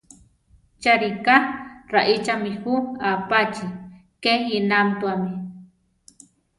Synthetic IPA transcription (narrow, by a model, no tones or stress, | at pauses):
t͡ʃaɾikaɾaʔit͡ʃamihuapat͡ʃi | kejinamt̪uami